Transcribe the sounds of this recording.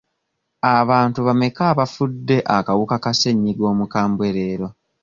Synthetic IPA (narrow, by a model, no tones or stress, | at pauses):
aβaːntuβame̞kaːβafudːe̞ʔakawukakase̞ɲːiɡo̞ːmukaːmbwe̞ɾe̞ːɾo̞